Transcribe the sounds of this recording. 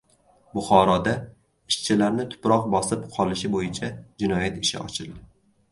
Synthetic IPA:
bʊχɒɾɒd̪a | ɪʃt͡ʃʰɪlaɾnɪt̪ʰʊ̥pɾɒq̚bɒsɪpqʰɒlɪʃɪbojɪt͡ʃʰad͡ʒɪnɒjat̪ɪʃɪ̰ɒ̰t͡ʃʰɪlˠd̪ɪ

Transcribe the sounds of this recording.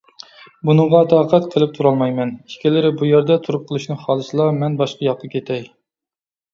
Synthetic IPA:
bunɨɴʁɑt̪ʰɑːqʰæt̪qʰəlˠɪp̚t̪ʰuɾɑlˠmɑjmɛni̥kʲʰilɪɾɪbujæɾd̪ɛt̪ʰuɾup̚qʰəlˠuʃnɨχɑːlˠɨsɨlˠɑmɛnbɑʃqɑjɑq̚t̪əkʲʰet̪ʰɛj

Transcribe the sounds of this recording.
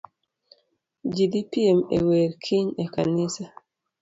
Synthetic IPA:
d͡ʒidipiemḛweɾkʰiɲekanisa

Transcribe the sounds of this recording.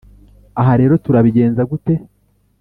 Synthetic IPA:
aɦaɾe̞ːɾo̞tuɾaβiɟe̞ːnzaɡute̞

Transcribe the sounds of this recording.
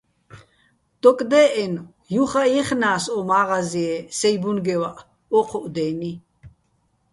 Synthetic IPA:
t̪ɔkʼd̪ɛːʔɛn | juχajiχnaːsɔmaːʁaziɛsɛjbunɡɛwaʔ | ɔqʰɔʔd̪ɛːni

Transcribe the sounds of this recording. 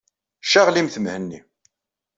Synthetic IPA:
ʃaʁlimθəmhənːi

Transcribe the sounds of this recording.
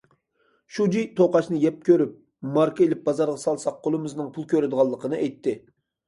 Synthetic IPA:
ʃud͡ʒijt̪ʰoqɑʃnɨjɛp̚kʲøɾyp̚ | mɑɾkəelɪp̚bɑzɑɾʁɑsɑlˠsɑq̚qʰːolˠɨmɨznɨŋpʰulˠkʲʰøɾɪd̪ɨʁɑlˠːəqənɨʔɛjt̪ʰːɪ

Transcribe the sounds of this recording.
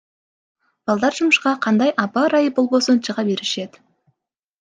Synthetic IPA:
b̥ɑlˠd̪ɑɾʒʊməʃqɑqʰɑnd̪ɑjʔɑpɑɾɑjəpolˠbosənt͡ʃəʁɑbe̞ɾɪʃe̞d̪ɪ

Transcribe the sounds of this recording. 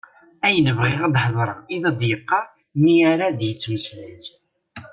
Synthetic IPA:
æjənəvʁiʁæd̪ħəðˤɾˤɑ̰iðɑd̪jəqːɑ | miaɾad̪jət͡sːməsliz

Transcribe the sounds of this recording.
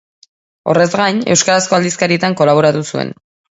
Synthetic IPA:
o̞̰re̞zɣaɲe̞wskaɾasko̞ald̪iskaɾiet̪aŋko̞laβ̞o̞ɾat̪usue̞̰n

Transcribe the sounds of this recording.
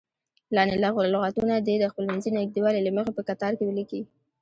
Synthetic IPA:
lɑnelaɣʊllʊɣat̪unad̪ed̪əxpəlmanzinɡ̚d̪iwɑlelaməxepəkat̪ɑɾkewəliki

